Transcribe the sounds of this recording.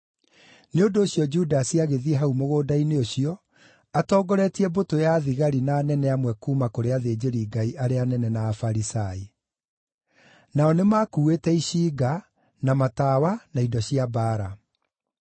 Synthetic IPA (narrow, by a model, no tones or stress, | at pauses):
neondoːɕjɔd͡ʒudasiaɣeðiɛɦaumoɣoːdaineoɕiɔ | atɔːɡɔɾɛtiɛbotojaðiɣaɾinaːnɛnɛamwɛkuːmakoɾeaðeːd͡ʑeɾiːɡaiʔaɾeanɛnɛnaːfaɾisai | naɔnemaːkuːetɛiɕiːɡa | namatawanaidɔɕiabaːɾa